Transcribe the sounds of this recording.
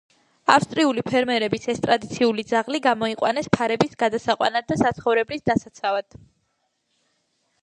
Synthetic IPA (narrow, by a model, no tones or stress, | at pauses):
afst̪ʼɾiulipʰɛɾmɛɾɛbisɛst̪ʼɾad̪it̪sʰiulid̪zaʁliɡamɔiqʼwa̰nɛspʰaɾɛbisɡad̪asaqʼwa̰nad̪asat̪sʰχɔvɾɛblisd̪asat̪sʰavad̪̥